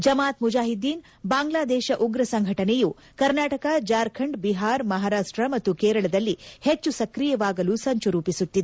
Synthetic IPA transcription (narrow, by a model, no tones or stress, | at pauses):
d͡ʒɐmaːt̪mud͡ʒaːɦid̪ːiːn | baːŋɡlaːd̪ɛːʃɐʔuɡɾɐsɐŋɡʱɐʈɐneju | kɐɾnaːʈɐkad͡ʒaːɾkʰɐɳɖbiɦaːɾmɐɦaːɾaːʂʈɾɐmɐt̪ːukeːɾɐɭɐd̪ɐlːihet͡ʃːusɐkɾijɐʋaːɡɐlusɐɲt͡ʃuɾuːpisut̪ːid̪e